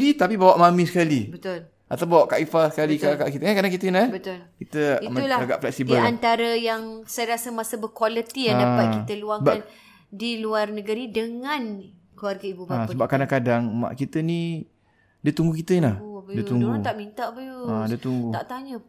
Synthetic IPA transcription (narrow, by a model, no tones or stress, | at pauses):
dit̪apibawaʔmamĩsə̥kalibət̪ʊl | ʔat̪ap̬oʔkaʔifasə̥kalikakaʔkit̪əkankadaŋkit̪ənabət̪ʊlkit̪əiməulahaɡa̰ʔflɛk̚sibəlant̪aɾəjaŋsajaɾasəmasəbəkwalət̪iadapakiəluaŋəan | diluarnəɡəɾidəŋãn | kluwarɡaibuɡaasəbap̚kadaŋkadaŋma̰ʔkit̪əni | diət̪uŋɡukit̪əinlabdiət̪uŋɡut̪aʔmint̪aʔbəjuadiət̪uŋɡuaʔt̪aɲə